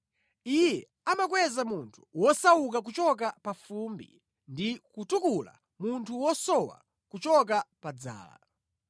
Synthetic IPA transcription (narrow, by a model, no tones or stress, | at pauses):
ijɛ | amak̬wɛzamuntʰu̥wɔsawuk̬ak̬ut͡ʃɔk̬apafumbḭ | ndikutukula̰ | muntʰuwɔsɔwa̰ | kut͡ʃɔk̬apad͡za̰ːla̰